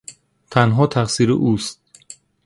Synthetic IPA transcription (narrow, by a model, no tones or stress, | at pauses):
t̪ʰænɦɒːt̪ʰæχsiːɾḛʔuːst̪̚